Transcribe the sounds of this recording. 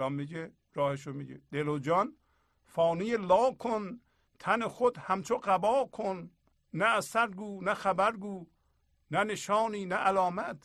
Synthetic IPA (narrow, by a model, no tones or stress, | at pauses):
ɒːmːiɟe | ɾɒːheʃomiɟed̪̥elod͡ʒɒn | fɑːnijelɒːkʰon | t̪ʰænexod̪hæmt͡ʃʰoɢæbɒːkʰonː | æːsæɾɡuːnæxæbæɾɡuː | næneʃɒːniːnæʔælɒːmæt̪ʰ